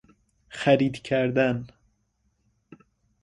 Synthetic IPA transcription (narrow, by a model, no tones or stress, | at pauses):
xæɾid̪cʰæɾd̪æn